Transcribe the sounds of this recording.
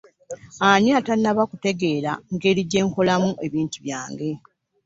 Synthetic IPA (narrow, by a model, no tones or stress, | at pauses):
aɲiaːtanːaβakute̞ɡe̞ːɾa̰ŋɡe̞ːɾiɟe̞ːŋko̞lamuʔe̞βiːntuβjaːŋɡe̞